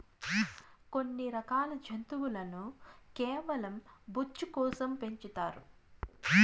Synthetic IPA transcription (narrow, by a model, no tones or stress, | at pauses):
ko̞nːiɾɐkaːlɐd͡ʒʱɐnt̪uwulɐnukɛːʋɐlɐmbut͡ʃːukɔːsɐmpe̞ɲt͡ʃit̪aːɾṵ